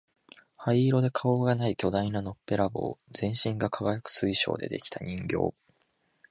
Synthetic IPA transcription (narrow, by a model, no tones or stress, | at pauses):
haiːɾo̞d̪e̞kʰao̞ːɡanaikʲo̞d̪ainano̞pːe̞ɾaɡo̞̰ːzẽ̞ɰ̃ɕĩŋɡakʰaɡajakɯ̥sɨiɕo̞̰ːd̪e̞d̪e̞̰kʲi̥t̪ʰaɲ̟ʲĩŋɡʲo̞̰ː